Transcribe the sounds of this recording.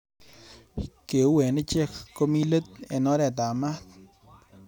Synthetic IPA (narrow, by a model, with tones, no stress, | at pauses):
ke˨˦wɛ˨nɪ˦t͡ʃe˦kko˦mi˦lə˦t̪̚ḛ˨nɔ˦ɾɛ˨t̪̬a˨ma˦k̪̚